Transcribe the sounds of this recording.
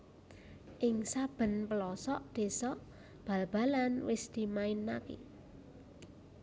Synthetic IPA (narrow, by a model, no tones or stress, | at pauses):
ʔɪŋsab̥ə̤npəlɔsɔʔd̪̥e̤sɔʔ | b̥ä̤lb̥a̤lanwɪsd̪̥i̤maɪnːakḭ